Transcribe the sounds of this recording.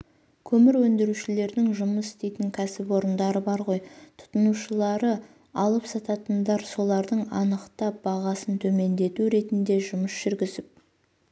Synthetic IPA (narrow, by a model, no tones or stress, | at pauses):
kʲʰɵmɪɾwɵnd̪ɪɾuʃɪle̞ɾd̪ɪŋʒʊməsɪ̥st̪e̞jt̪ɪŋkʲʰæsɪpwo̞ɾənd̪ɑɾəbɑɾʁo̞jt̪ʰʊ̥t̪ənuʃəlˠɑɾə | ɑlˠəpsɑt̪ɑt̪ənd̪ɑɾso̞lˠɑɾd̪əɴɑ̰nəqt̪ɑbɑʁɑsənt̪ʰɵme̞nd̪e̞t̪uɾe̞t̪ɪnd̪e̞ʒʊməsʒ̥ʏɾɡʲɪzɪp̚